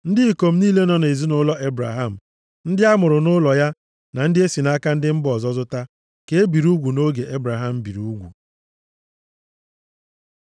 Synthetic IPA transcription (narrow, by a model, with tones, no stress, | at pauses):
n̩˦dɪ˦i˨ko˨m̩˦ni˦le˦nɔ˨n˨e˨zi˦nʊ˦lɔ˦e˦bɾa̰˨ɦa˦˨m̩˨ | n̩˦dɪ˦a˦mʊ˨ɾʊ˨nʊ˦lɔ˨ja˦ | na˨n̩˦dɪ˦e˦si˨na˦ka˦n̩˦dɪ˦m̩˦bɔ˨zɔ˦zʊ˦ta˦ | ke˦bi˨ɾu˦ɡʷu˨no˦ɡe˨ʔe˦bɾa˨ɦa˦˨m̩˨bi˨ɾu˨u˦ɡʷṵ˨